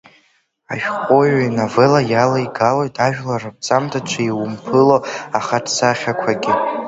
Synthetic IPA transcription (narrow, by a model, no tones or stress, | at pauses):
aʃᶣqʷʼojanavelajalajɡalojtʰaʒᶣlarɨp̚t͡sʼamtʰat͡ʃʷʰaiwʊmpʰɨloaχaʈ͡ʂʰsaχʲakʷʰaɡʲɪ